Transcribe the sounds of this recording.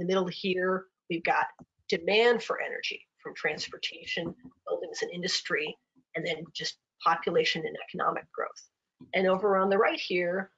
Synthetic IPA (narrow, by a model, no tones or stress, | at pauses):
ɪnðɨmɪɾl̩ˠhiɹ | wivɡɑt | d̥ɨmæ̃nd̥fə̰˞ʔɛ̰nə̰˞d͡ʒḭfɹʌ̃mtʰɹ̥æ̃nspə˞tʰeɪʃɨ̃nb̥ɪlˠdɪ̃ŋzɨ̃nɪ̃ndɨstɹ̥i | ɨ̃nðɨ̃nd͡ʒʌs | pʰɑpjɨleɪʃɨ̃nɨ̃nɛ̰kənɑ̰mɨ̰k̚ɡ̥ɹo̰ʊθ | ʔɨ̃noʊvə˞ə̃nðəɹaɪt̚hiɹ